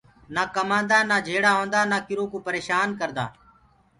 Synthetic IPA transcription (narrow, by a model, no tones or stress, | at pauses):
naːkəmãːnd̪aːnaːd͡ʒʱeːɽaːɦõːnd̪aːnaːkɪɾõːkoːpəɾeːʃaːnkəɾd̪a̰ː